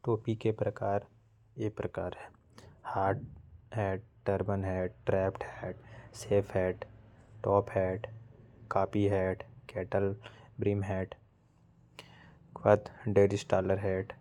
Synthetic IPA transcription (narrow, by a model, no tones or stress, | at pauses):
ʈoːpikepɾəkaːɾ | eːpɾəkaːɾɦɛː | haːɖɦɛːɖ̚ʈəɾbənɦɛːɖ̚ʈɾɛːpʈɦɛːʈseːpʰɦɛːɖʈɔːpɦɛːʈkaːpiɦɛːʈkɛːʈəlbɾiːmɦɛːʈ | kʋət̪ɖeːɾɪsʈaːləɾɦɛːɖ